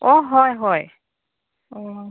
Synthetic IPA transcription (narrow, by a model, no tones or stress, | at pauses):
ɔɦɔjɦɔj | ɔ